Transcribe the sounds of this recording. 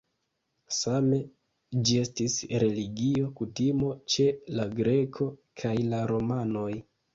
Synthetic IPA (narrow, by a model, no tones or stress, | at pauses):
same̞ | d͡ʒie̞stisɾe̞liɡio̞kutimo̞t͡ʃe̞laɡɾe̞kʰo̞kʰajlaɾo̞mano̞j